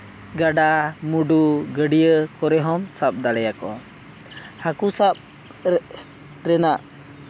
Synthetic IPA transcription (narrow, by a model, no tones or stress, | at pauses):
ɡaɖamuɖuɡəɖijəkɔɾɛɦɔmsap̚d̪alɛjakɔ | hakusap̚ | ɾ | ɾɛnaʔ